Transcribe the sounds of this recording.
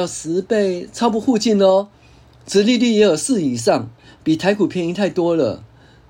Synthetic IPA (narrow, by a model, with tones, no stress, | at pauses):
ʊsɹ̩˧˥pe˥˧ɪt͡sʰɑ˥˧ʊp̬u˥˧xu˥˧t͡ɕi˥˧nlə˧˩ | t͡s̩˧˥li˥˧li˥˩jɛ˧˥jo˨˩sɹ̩˥˩i˨˩ʂɑ˥˩ŋpi˨˩t̪ʰa˧˥ɪkʰu˨˩pʰjɛ˧˥ni˧˥ŋt̪ʰa˥˩ɪt̪wɔ˥lə̰˨